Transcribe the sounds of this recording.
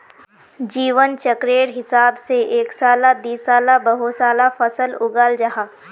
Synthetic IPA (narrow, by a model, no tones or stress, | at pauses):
d͡ʒiːʋənt͡ʃəkɾeːɾɦɪsaːbseʔeːksaːlad̪iːsaːlabɐɦosaːlafɐsəlʊɡald͡ʒaɦaː